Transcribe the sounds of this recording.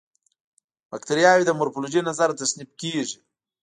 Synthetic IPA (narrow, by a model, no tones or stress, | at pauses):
bakt̪aɾjɑwid̪əmʊɾfoloʒinazaɾt̪asnib̚keʒi